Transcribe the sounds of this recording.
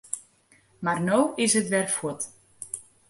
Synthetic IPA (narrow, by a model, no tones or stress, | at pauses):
marnoːɪsətʋɛrfwut